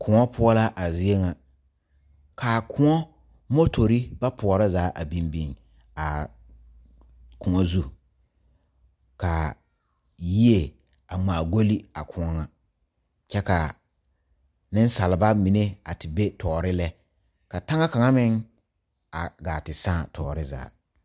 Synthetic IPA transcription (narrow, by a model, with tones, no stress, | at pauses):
kʰʊ˨ŋɔ˦pʰʊ˦ɔ˦la˦ʔa˨zɪ˦e˦ŋa˨ | kʰa˨kʰʊ˦ŋɔ˦ | mo˦tʰo˨ɾi˦ba˦pʰʊ˨ɔ˨ɾa˦zaː˨˦ʔa˨bi˦mbi˨ŋ | a˨ | kʰʊ˨ŋɔ˦zu˦ | ka˨ | ji˦e˨ | a˨ŋ͡maː˨ɡo˦li˦a˨kʰʊ˨ŋɔ˦ŋa˨ | t͡ʃɛ˦ka˨ | nɪ˦n˦sa˨lɪ˨ba˦mi˨ne˦a˨tɪ˨be˦tʰɔː˨ɾɪ˦lɛ˦ | ka˨ta˦ŋa˦ka˨ŋa˦mɪ˦ŋ | a˨ɡaː˨tɪ˨sãː˦˨tʰɔː˨ɾɪ˦za̰ː˨˦